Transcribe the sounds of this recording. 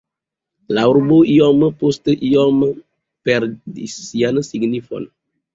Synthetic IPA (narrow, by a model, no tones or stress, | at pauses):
lauɾboijɔməpostəʔiɔmə | pɛɾdisianəsiɡnifɔ̰n